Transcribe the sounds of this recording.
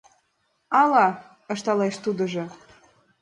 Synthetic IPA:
ɑlɑ | ɤ̆ʃt̪ɑleʃt̪ud̪ɤ̆ʒɤ̆

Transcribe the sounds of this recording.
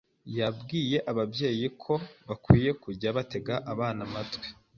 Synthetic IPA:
jabɡiːje̞ʔaβabje̞ːjikʰo̞βakwiːje̞kuɟaβate̞ɡaʔaβaːnamatɡwe̥

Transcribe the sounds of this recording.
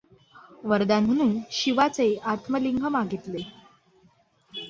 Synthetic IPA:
ʋəɾd̪anm̤əɽ̃ũːnɕiʋat͡seat̪ʰməliŋɡʱəmaɡʱit̪le

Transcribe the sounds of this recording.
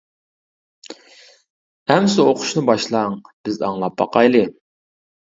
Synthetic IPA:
æmsɨoqʰʊ̥ʃnɨbɑʃlˠɑŋb̥ɪzɑŋlˠɑp̚bɑ̰qʰɑjlˠɨ

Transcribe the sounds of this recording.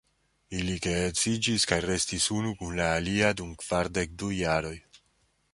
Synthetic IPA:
ilikeet͡sid͡ʒiskajɾe̞stisunukunlaːliadumkv̥aɾde̞k̚dujaɾo̞j

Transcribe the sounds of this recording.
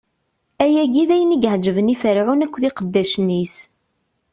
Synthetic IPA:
æjæɡiðæjəniɡhd͡ʒəvənifəɾʕunækʷːθiqəd̪ːæʃənːis

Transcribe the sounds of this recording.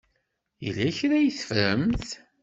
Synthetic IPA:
jə̰lːæçɾæjəθə̥fɾəmθ

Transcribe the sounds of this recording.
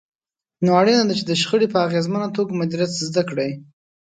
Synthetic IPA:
noaɽinad̪at͡ʃed̪əʃxəɽipəaɣezmanat̪oɡamad̪iɾat̪zd̪akɽaj

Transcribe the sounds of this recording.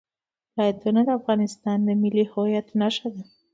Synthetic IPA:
lɑjad̪onad̪əafɣɑnɪst̪ɑnd̪əmɪlihojat̪naʃad̪a

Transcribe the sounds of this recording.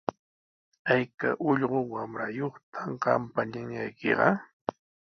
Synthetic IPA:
ajka̰ʔʊʎɢowamɾajoχt̪ʰamɢɑmpaɲaŋa̰jkḛɢɑ

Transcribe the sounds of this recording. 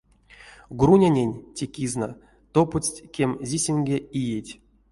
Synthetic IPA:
ɡrunʲanʲenʲtʲekʲizna̰ | t̪oput͡sʲtʲkʲemʲzʲisʲenɡʲeijetʲ

